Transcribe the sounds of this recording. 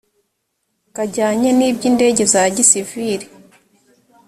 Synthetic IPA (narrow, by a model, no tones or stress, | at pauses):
kaɟaːɲaniːbɟiːnde̞ɟe̞zaɟisiviɾi